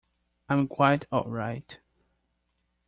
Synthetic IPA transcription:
ãɪ̃mkʰw̥aɪtʰɔ̰ʔɹaɪt

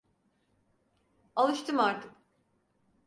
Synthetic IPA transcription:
alˠɯʃt̪ʰɯmaɾt̪ʰɯk

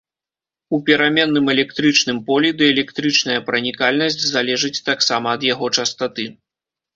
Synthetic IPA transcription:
upʲɛɾamʲɛnːɨmɛlʲɛkt̪ɾɨt͡ʂnɨmpɔlʲɛd̪ɨɛlʲɛkt̪ɾɨt͡ʂnɐjɐpɾɐnʲikalʲnɐsʲt͡sʲzalʲɛʐɨt͡sʲt̪aksamɐːd̪jaɣɔt͡ʂɐst̪at̪ɨ

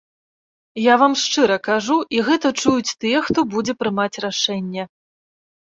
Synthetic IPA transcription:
javamʂt͡ʂɨɾɐkaʐuʔiɣɛt̪ɐt͡ʂujut͡sʲt̪ɨjɛxt̪ɔbud͡zʲɛpɾɨmat͡sʲraʂɛnʲːɛ

